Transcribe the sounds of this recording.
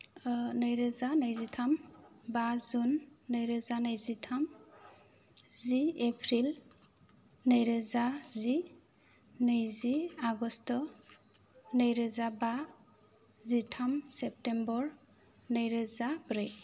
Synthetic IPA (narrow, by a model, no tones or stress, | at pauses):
najɾɯzanajzitʰambazunːajɾɯzanajzitʰam | ziepʰɾil | najɾɯzazi | nɯjziaɡɔstɔ | najɾɯzaba | zitʰamsep̚tembɔɾ | najɾɯzabɾej